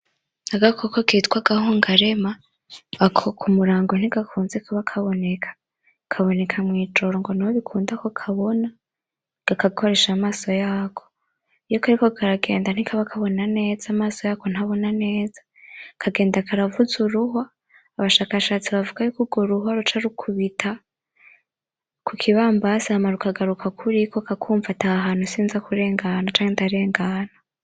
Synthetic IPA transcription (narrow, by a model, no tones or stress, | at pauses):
aɡakʰokokitkwaɡahuːŋɡaɾe̞maː | kʰokʰumuɾaːŋɡon̥iɡakʰuːnzekʰaβakʰaβo̞ne̞kʰḁ | kʰaβo̞ne̞kʰamwiːt͡ʃo̞ɾoŋɡo̞nihoβikʰuːndakokʰaβo̞na | ɡ̥akakʰo̞ɾe̞ːʃamaːso̞jaːkʰo̥ | ijokaɾikokʰaɾaɡe̞̰ːndan̥ikʰaβakʰaβo̞nane̞ːzamaːso̞jaːko̞n̥haβo̞nane̞ːz̥ḁ | kʰaɡe̞ːndakʰaɾavuzuɾuɦaː | βaʃaːkaʃaːt͡siβavuɡajukuɡoɾuɦaɾut͡ʃaɾukʰuβitʰa | kʰukʰiβaːmbasahamaɾukaɡaɾukʰakʰuɾikokakʰuːɱvataːɦaːn̥husiːnzakuɾe̞ːŋɡanat͡ʃaːŋhentaɾe̞ːŋɡana